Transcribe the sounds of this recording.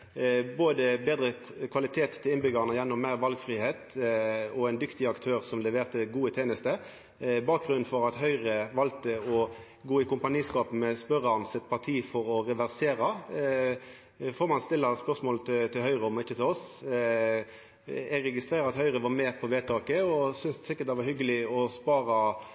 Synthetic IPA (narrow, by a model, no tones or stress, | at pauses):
boːd̪əbeːd̪ʁə | kʰʋɑlɪt̪ʰeːt̪ʰːɪlɪnbʏɡɑʁnəjɛnːɔmmæɪɾʋɑlɡfʁiːheːt̪ | ɔɛnd̪ʏkt̪ɪɑkt̪ʰøːʁsɔmlɛʋeːʁt̪əɡuːət̪ʰeːnəst̪ə | bɑːk̚ɡɾʉnnfɔɾɑt̪ɦœʏʁəʋɑlt̪əɔ | ɡoːɪkʰʊmpɑniːskɑːpmɛspœʁɑnsɛt̪̚pʰɑʁt̪ʰiːfɔɾɔʁɛʋæʁseːʁɑ | foːʁmɑnst̪ɪlːɑspœʁsmoːlət̪t̪ʰɪlhœʏɾəɔmɔɪçːət̪ʰɛlɔs | ɛɡʁɛɡɪst̪ʁeːɾəɑt̪hœʏʁəʋɑɾmɛpʰɔʋeːt̪ʰɑːkəɔsʏnssɪkːət̪̚d̪ɛʋɑɾhʏɡəlɪɔspɑːɾɑ